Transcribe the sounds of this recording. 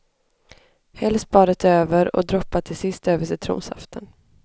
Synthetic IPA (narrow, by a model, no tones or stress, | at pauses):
hɛlst̪bɑːɾət̪ʰøːvəɾɔ̰d̪ɾɔpːat̪ʰɪlsɪst̪øːvəʂɪt̪ʰɾṵːnsha̰ft̪ʰən